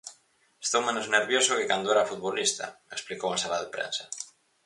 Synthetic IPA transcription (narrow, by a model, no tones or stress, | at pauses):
e̥st̪owmẽnozneɾβjosokɪkand̪oɛɾafut̪̚βolist̪a̰eksplikowasalaðepɾḛnsḁ